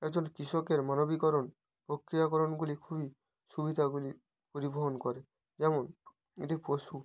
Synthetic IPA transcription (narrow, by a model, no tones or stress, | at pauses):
ɛkd͡ʑonkɾiʃɔkeɾmanobikɔɾon | pɾokɾijakɔɾonɡulikʰubi | ʃubid̪ʱaɡuli | poɾiboɦonkɔɾe | d͡ʒɛmon | ḛʈiposu